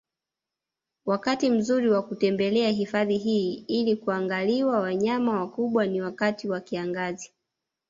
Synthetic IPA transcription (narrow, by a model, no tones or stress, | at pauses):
wakatim̩zuɾiwakutɛmbɛlɛaɦifaðiɦiːilikuaŋɡaliwawaɲamawakuɓwaniwakatiwakiaŋɡazi